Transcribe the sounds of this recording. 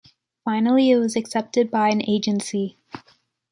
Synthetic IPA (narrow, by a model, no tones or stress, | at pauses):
fãɪ̃nl̩ˠiɪt̚wʌzɨksɛp̚tɨd̚baɪɨ̃neɪd͡ʒɨ̃nsi